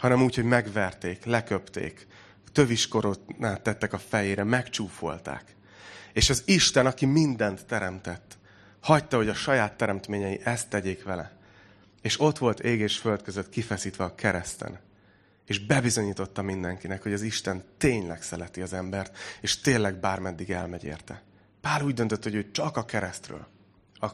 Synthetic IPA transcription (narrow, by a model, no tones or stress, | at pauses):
hɒnɛmuːcho̞ɟmɛɡvɛrt̪eːklɛkøpt̪ḛːk | t̪øviʃko̞ɾoːtnaːt̪ːɛt̪ːɛkɒfɛjeːɾɛmɛkt͡ʃuːfo̞̰lt̪a̰ːk | eːʃɒziʃt̪ɛnɒkimind̪ɛnt̪ːɛɾɛmt̪ɛt̪ː | hɒct̪ɒho̞ɟɒʃɒjaːt̪ːɛɾɛmt̪meːɲɛjiʔɛst̪ːɛɟeːkʋɛlɛ̰ | eːʃo̞t̪ʋo̞lt̪ʰeːɡeːʃfølt̪̚køzøt̪kifɛsiːt̪ʋɛɒkʰɛɾɛst̪ɛ̰n | eːʒbɛbizo̞ɲiːt̪o̞t̪ːɒmind̪ɛŋkinɛkho̞ɟɒziʃt̪ɛnt̪eːɲlɛksɛlɛt̪iɒzɛmbɛrt̪eːʃt̪eːlːɛɡ̚baːrmɛd̪ːiɡɛ̰lmɛɟḛːrt̪ɛ̰ | paːluːɟd̪ø̞nt̪øt̪ːho̞ɟøːt͡ʃɒkɒkɛɾɛst̪rø̰ːl | ɒ